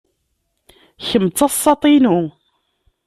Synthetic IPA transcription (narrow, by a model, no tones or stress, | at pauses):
çəmt͡sːɑsˤːɑt̪ˤinu